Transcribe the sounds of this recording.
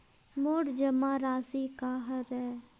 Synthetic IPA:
moːɽd͡ʒəmãːɾaːsikaːɦəɾɛː

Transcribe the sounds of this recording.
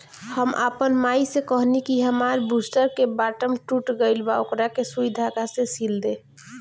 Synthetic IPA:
həmʔa̰pənmaisekəɦnikiɦəmaɾbusʈəɾkebaʈəmʈuʈɡəɪlbaokɾakesubid̪ʱakasẽsild̪e

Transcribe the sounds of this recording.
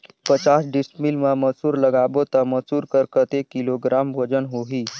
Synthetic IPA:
pət͡ʃasɖismilmaməsuːɾləɡabot̪əməsuːɾkəɾkət̪ekiloɡɾamʋod͡ʒənɦoɦiː

